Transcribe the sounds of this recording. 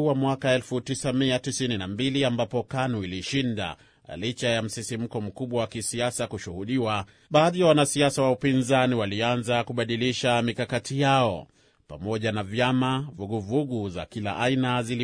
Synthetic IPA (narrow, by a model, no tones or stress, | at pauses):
wamwakaɛlfutisamiatisininambiliambapɔkanuiliʃinda̰ | lit͡ʃajam̩sisim̩kɔm̩kuɓwawakisiasakuʃuhuɗiwa | ɓaːðijawanasiasawaupinzaniwalianzakuɓaɗiliʃamikakatijaɔ | pa̰mɔʄanavjamavuɠuvuɠuza̰kila̰ʔainazili